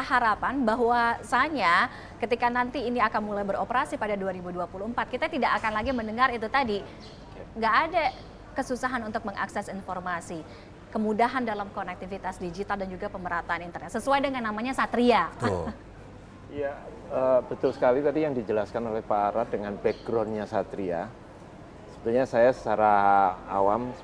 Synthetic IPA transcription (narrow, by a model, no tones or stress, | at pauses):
ɦaɾapanbaɦwasaɲa | kət̪ikanant̪iːniakanmulajbəɾopəɾasipadaduaɾibuduapuluhəmpat̪̚kit̪at̪idaʔakanlaɡiməndəŋarit̪ut̪adi | ŋɡaʔːda | kəsusaɦanunt̪ʊk̚məŋʔa̰ksɛsinformasi | kəmudaɦandalamkonɛk̚t̪ifit̪asdid͡ʒit̪aldand͡ʒuɡapəməɾat̪aːnint̪ərnɛt̪səsuajdəŋanːamaɲasat̪ɾia | ja | əbət̪ʊlsə̥kalit̪adijaŋdid͡ʒəlaskanolɛhpaːɾadəŋanbɛɡɾɔnɲasat̪ɾia̰ | səbət̪uɲasajaə̥t͡ʃaɾaa̰wam